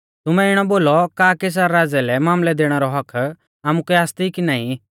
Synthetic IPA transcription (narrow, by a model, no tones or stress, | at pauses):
t̪ʊmɛɪɽ̃ɔboːlɔkaːkes̬aɾːaːd͡zɛlɛmaːmlɛd̪eːɽ̃ɛɾɔɦɐkʰ | aːmukɛaːst̪ikinaːĩ